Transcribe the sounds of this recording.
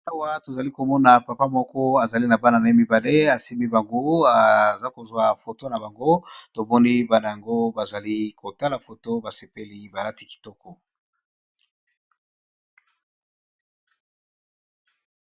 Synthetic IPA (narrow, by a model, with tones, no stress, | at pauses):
a˦wa˦to˨za˨li˦ko˨mɔ˦na˨pa˨pa˦mɔ˦kɔ˦a˨za˨li˦na˨ba˦na˨na˨i˦mi˨ba˨le˦a˨si˦mi˦ba˨ŋɡo˦a˨za˦ko˨zwa˦fo˨to˦na˨ba˨ŋɡo˦to˨mɔ˦ni˦ba˦na˨ja˨ŋɡo˦ba˨za˨li˦ko˨ta˦la˨fo˨to˦ba˨se˨pe˦li˦ba˨la˦ti˨ki̥˨tɔ˦kɔ˨